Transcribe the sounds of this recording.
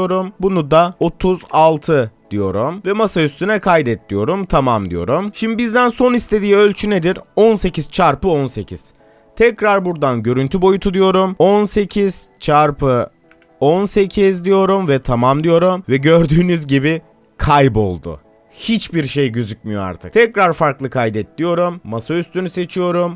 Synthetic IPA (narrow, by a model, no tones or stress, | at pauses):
o̞ɾumbunud̪ao̞t̪ʰuzalˠt̪ʰɯd̪̥ijo̞ɾumvɛmasayst̪ʰynɛkʰajd̪ɛt̪ʰːijo̞ɾumt̪ʰamamd̪ḭjo̞̰ɾumʃimd̪ibizd̪ænso̞nist̪ʰe̞d̪iːø̞lʲt͡ʃʰyne̞d̪iɾo̞nse̞ciz̥t͡ʃʰaɾpɯo̞nse̞cʰiz̥ | t̪ʰɛcɾaɾbuɾd̪anɟø̞ɾynt̪ʰybo̞jut̪ʰud̪ijo̞ɾumo̞nse̞cʰiz̥t͡ʃʰaɾpʰɯ | onse̞cʰizd̪ijo̞ɾumvɛt̪ʰamamd̪ijo̞ɾumvɛɟø̞ɾd̪yːnyzɟibi | kʰajbo̞̰lˠd̪ʊ̰ | hit͡ʃbiɾʃe̞jɟyzyc̚mijo̞a̰ɾt̪ʰɯ̥̰kt̪ʰɛcɾaɾfaɾklˠɯkʰajd̪ɛt̪lʲijo̞ɾumːasayst̪ʰynyse̞t͡ʃʰijo̞ɾum